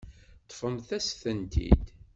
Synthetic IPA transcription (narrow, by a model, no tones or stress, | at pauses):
t̪ːˤfəmθæsθənt̪ḭd̪